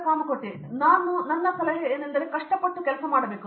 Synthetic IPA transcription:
kaːmɐkoʈːi | naːnunɐnːɐsɐlɐɦeeːnɐnd̪ɐɾe̞kɐʂʈɐpɐʈːukɛlɐsɐmaːɽɐbeːku

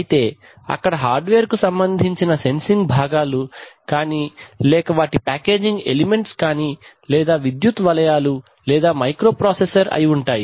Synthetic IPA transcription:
jit̪e̞ː | ɐ̰kːɐɽɐɦaːɾɖʋeːɾkusɐmbɐnd̪ʱiɲt͡ʃinɐse̞nsiŋɡbʱaːɡaːlukaːniːlɛːkɐʋaːʈipaːke̞ːd͡ʒiŋɡḛlime̞ɳʈskaːni | lɛːd̪aːʋid̪jut̪ʋɐlɐjaːlu | lɛːd̪aːmɐjkɾo̞ːpɾoːsesɐɾɐ̰jiuɳʈaːji

